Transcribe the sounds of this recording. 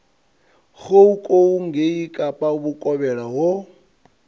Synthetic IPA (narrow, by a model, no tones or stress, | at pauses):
ɣoukʼouŋɡeikʼapʼauβukʼɔβɛɺaɦo